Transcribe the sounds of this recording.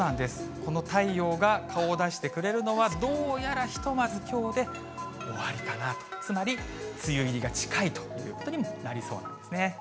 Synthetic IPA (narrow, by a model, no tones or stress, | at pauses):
nãnd̪e̞sɨ̥ko̞no̞t̪aio̞ːɡakʰao̞d̪aɕi̥t̪e̞kɯ̟ɾe̞ɾɯ̟no̞βad̪o̞ːjaɾaçi̥t̪o̞mazɨkʲo̞ːd̪e̞ | o̞βaɾʲikanat̪o̥t͡sɨmaɾʲi | t͡sɨjɯ̟iɾʲiɡat͡ɕi̥kait̪o̞̥joɯ̰ɯ̟ːko̞t̪o̞ɲ̟imo̞naɾʲiso̞̰ːna̰nd̪e̞sɨne